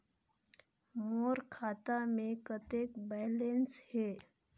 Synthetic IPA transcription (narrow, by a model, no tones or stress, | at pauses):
moːɾkʰaːt̪amẽkət̪eːkbɛːlenshɛː